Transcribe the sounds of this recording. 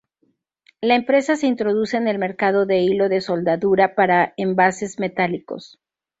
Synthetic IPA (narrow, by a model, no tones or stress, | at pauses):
laempɾe̞sase̞int̪ɾo̞ðuse̞ːne̞lme̞ɾkað̞o̞ðe̞ilo̞ðe̞so̞ld̪aðuɾapaɾaembase̞zme̞t̪aliko̞̰s